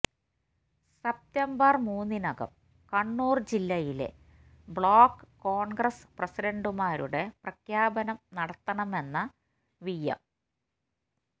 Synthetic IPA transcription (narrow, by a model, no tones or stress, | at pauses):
sep̚tɐmbɐrmuːnːinɐɡɐ̰m | kɐɳːuːrd͡ʑilːɐjilḛ | bɭoːkːɨkːoːɳɡrɐsprɐsiɖɐɳɖumaːɾuɽe̞prɐkʰjaːbɐnɐmnɐɽɐt̪ːɐɳɐme̞nːɐ | ʋijːɐ̰m